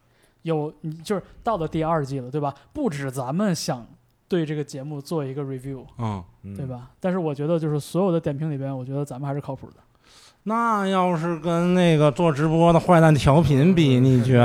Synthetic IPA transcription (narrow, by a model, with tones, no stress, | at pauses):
jo˨˩˦ʊni˨˩t͡ɕjo˥˧ʂ̩˥˩t̪ɑ˥˩ʊlə˩t̪i˥˧a˞˥˧t͡ɕi˥˩lə˩t̪we˥˩ɪbɐa˩pu˥˩ʈ͡ʂɻ̩˨˩t͡sa˧˥nmə˧nɕjɑ˨˩˦ŋ | t̪we˥˧ɪʈ͡ʂɤ˥˩ɡə˩t͡ɕjɛ˧˥mu˥˧t͡swɔ˥˩i˧˥ɡə˧ɹi˨˧˩ʋju˥˩ʊ˥˩t̪we˥˩ɪbɐ˩t̪a˥˧nʂɻ̩˥˩wɔ˨˩t͡ɕɥɛ˧˥d̪ə˧t͡ɕjo˥˧ʊʂɻ̩˥˩swɔ˧˥jo˨˩ʊd̪ə˦t̪jɛ˨˩npʰi˧˥ŋli˨˩bjɛ˧˥nwɔ˨˩t͡ɕɥɛ˧˥d̪ə˧t͡sa˧˥mə˧xɪʂɻ̩ʰ˥˩˧ʊpʰṵ˨˩d̪ə˦ | na˥˧˩jɑ˥˧ʊʂ̬ɻ̩˥˩kə˥nne˥˩ɪɡə˩t͡swɔ˥˩ʈ͡ʂɻ̩˧˥pwɔ˥d̪ə˨xwa˥˧ɪt̪a˥˩nt̪ʰjɑ˧˥ʊpʰi˧˥npi˨˩ni˨˩t͡ɕɥɛ˧˥